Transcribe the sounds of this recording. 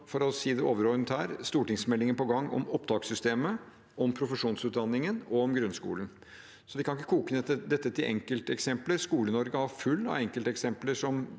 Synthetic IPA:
fɔɾɔsiːd̪ɛʔoːʋəɾɔnət̪hæːɾst̪uːʈɪŋsmɛlːɪŋənpɔɡɑŋːɔ̰mɔpːd̪ɑːksʏst̪eːmə | ʔɔmpʰɾʊfəʂuːnsʉːt̪̚d̪ɑnːɪŋənɔɔmɡɾʉnskṵːlən̩ | sɔʋ̪ɪkʰɑnɪkːəkʰuːkənɛt̪ːəd̪ɛt̪ːət̪ʰɪlʔɛ̰ŋkəlt̪əɛksɛmpləɾskuːlənɔɾɡəhɑɾfʉlːɑ̰ʋɛŋkəlt̪əɛksɛmpləʂɔm

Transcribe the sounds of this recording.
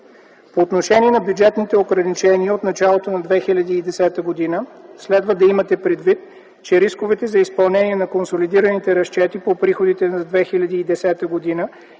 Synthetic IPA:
poːt̪noʃɛniɛnɐbjud͡ʒɛt̪nit̪ɛoɡɾɐnit͡ʃɛniəot̪nɐt͡ʃalˠot̪onɐd̪vɛxilʲɐd̪iːd̪ɛsɛt̪əɡod̪inəslɛd̪vəd̪ɐimɐt̪ɛpɾɛd̪vit̪ | t͡ʃɛɾiskovɛt̪ɛzɐispɐlˠnɛniɛnɐkonsolid̪iɾɐnit̪ɛɾɐʃt͡ʃɛt̪ipopɾixod̪it̪ɛnɐd̪vɛxilʲɐd̪iːd̪ɛsɛt̪əɡod̪inə

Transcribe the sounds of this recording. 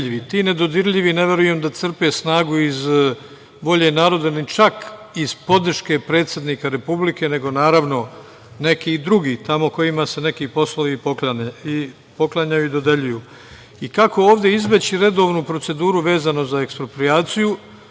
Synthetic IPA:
iʋit̪iːne̞d̪o̞d̪iɾʎiʋine̞ʋe̞ɾuje̞md̪at̪sr̩pesnaːɡuiz | ʋo̞ʎe̞naːɾo̞d̪anit͡ʃak | iz̥po̞d̪r̩ʃke̞pɾe̞ːt̪sje̞d̪niːkaɾe̞publike̞ne̞ɡo̞naːɾaʋno̞ | ne̞kiːd̪ɾuɡiːt̪amo̞ko̞imase̞ne̞kiːpo̞slˠoʋipoi | po̞klˠaɲajuid̪o̞d̪eʎujuː | ikako̞oːʋd̪jeizbe̞t͡ɕiɾe̞d̪o̞ːʋnupɾo̞t̪se̞d̪uːɾuʋe̞ːzano̞zaekspɾopɾiaːt̪siju

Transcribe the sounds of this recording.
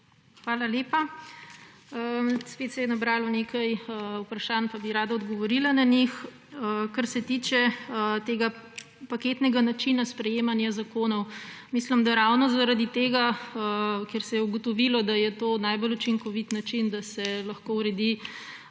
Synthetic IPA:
xʋaːlaleːpa | əspeːt̪sɛjɛnabɾaːlɔnekʰajupɾɐʃanpabiɾaːd̪aɔd̪ɡɔʋɔɾilananix | kaɾsɛt̪iːt͡ʃɛt̪eːɡa | paket̪nɛɡanat͡ʃinaspɾɛjeːmanjazakoːnɔwmislimd̪aɾawnɔzaɾad̪it̪eːɡaəkɛɾsɛjɛuɡɔt̪ɔʋilɔd̪ajɛt̪oːnajbɔlut͡ʃiŋkɔʋit̪nat͡ʃind̪asɛlɐxkowɾɛd̪i

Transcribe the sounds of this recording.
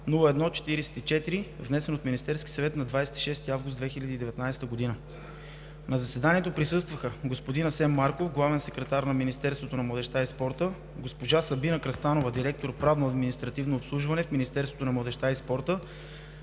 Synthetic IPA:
nulˠəɛd̪nɔt͡ʃɛ̥t̪iɾɛsɛ̥t̪it͡ʃɛt̪iɾivnɛsɛnot̪minist̪ɛɾskʲi̥sɐvɛt̪nɐd̪vajsɛ̥t̪i̥ʃɛst̪iavɡʊst̪d̪vɛxilʲəd̪iːd̪ɛvɛt̪najsɛt̪əɡod̪inə | nɐzɐsɛd̪aniɛt̪opɾisɤst̪vəxəɡospod̪inɐsɛmːaɾkofɡlˠavɛnsɛkɾɛt̪aɾnɐminist̪ɛɾst̪vot̪onɐmlˠɐd̪ɛʃt̪aispɔɾt̪ə | ɡospoʒasɐbinəkɾɐst̪anovəd̪iɾɛk̚t̪oɾpɾavnoɐd̪minist̪ɾɐt̪ivnooːpslˠuʒvɐnɛfminist̪ɛɾsvo̥t̪onɐmlˠɐd̪ɛʃt̪aispɔɾt̪ə

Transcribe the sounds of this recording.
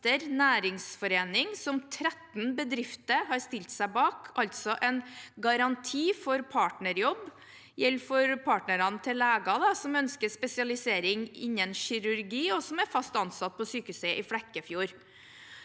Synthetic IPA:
t̪əɾnæːɾɪŋsfɔɾeːnɪŋsɔmt̪ʰɾɛt̪nbəd̪ɾɪft̪əɾɦɑɾst̪ɪlt̪sæɪbɑːkʰɑlt̪sɔʔɛnɡɑɾɑnt̪ʰiːfɔɾpʰɑːʈɳəɾjɔbː | jɛlfɔɾpʰɑːʈnəɾɑnət̪ʰɪlːæːɡɑd̪ɑsɔmœnskəspɛsɪɑlɪseːɾɪŋɪ̰ɲːənɕɪɾʉɾɡiːɔsɔmæɾfɑst̪ɑnsɑt̪̚ːpʰɔsyːkʉsəʔɪflɛkːəfjuːɾ

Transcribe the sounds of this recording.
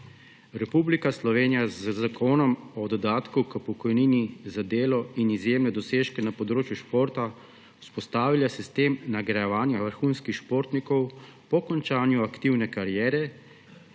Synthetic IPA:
ɾɛpublikaslɔʋeːnijazzakʰoːnɔmɔd̪ɔd̪aːt̪kukəpɔkɔjniːnizad̪eːlɔinizjeːmnɛd̪ɔseːʃkɛnapɔd̪ɾoːt͡ʃjuʃpoːɾt̪a | u̥spɔst̪aːʋilasist̪eːmnaɡɾajɛʋaːnjaʋəɾxunskixʃpoːɾt̪nikɔwpɔkɔnt͡ʃaːnjuakt̪iwnɛkaɾjɛːɾɛ

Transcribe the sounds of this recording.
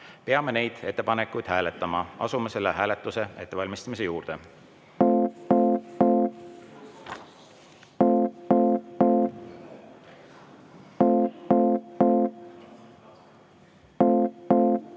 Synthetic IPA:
pe̞ɑme̞ne̞jd̪̥e̞t̪ːe̞pɑne̞kːujd̪̥hæːlet̪ːˑɑmɑɑ̰sumɑse̞lːeɦæːlet̪ːˑuse̞e̞t̪ːevɑlʲmist̪ɑmis̬e̞juːɾd̪̥e̞

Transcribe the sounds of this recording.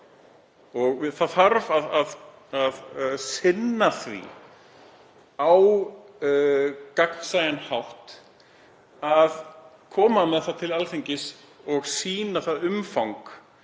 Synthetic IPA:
ɔɣɪθaðθaɾvaðað | aðsɪnːaθvḭ | aw | kakn̥sajanhawht̪ | að | kʰɔːmamɛðθaðt̪ʰɪlalθiɲcɪs | ɔɣsiːnaθaðʏmfawŋk

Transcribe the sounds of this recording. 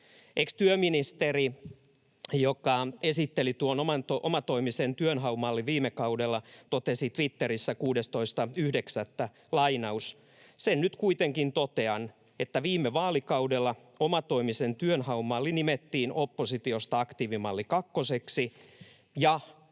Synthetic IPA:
ʔekst̪yøminist̪eri | jokɑesit̪ːelit̪uonomɑnt̪oʔomɑt̪o̞imisent̪yønɦɑumɑlːiʋʋiːmekɑudelːɑt̪ot̪esit̪ʋit̪ːeɾisːækuːdest̪o̞ist̪ɑyhdeksæt̪ːæ | lɑinɑus | sennyt̪kuit̪eŋkint̪ot̪eɑn | et̪ːæʋiːmːeʋɑːlikɑudelːɑ | omɑt̪o̞imisent̪yønhɑumːɑlːinimet̪ːiːnopːosit̪iost̪ɑɑkt̪iːʋimɑlːikɑkːoseksi | jɑ

